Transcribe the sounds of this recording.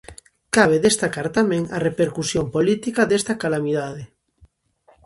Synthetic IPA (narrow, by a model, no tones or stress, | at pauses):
kaβ̞eðest̪akaɾt̪amẽŋarepeɾkusjompolit̪ikaðest̪akalamiðaðe